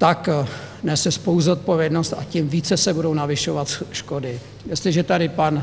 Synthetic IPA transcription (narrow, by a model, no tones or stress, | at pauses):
t̪aknɛsɛspowuzot̪̚povjɛdnost̪a̰cimviːt͡sɛsɛbudownavɪʃovat̪ʃkodɪ | jɛst̪lɪʒɛt̪adɪpan